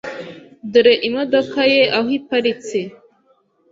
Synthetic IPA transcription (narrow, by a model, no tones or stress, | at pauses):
duɾeʔimod̪okajeʔaɦipaɾit͡se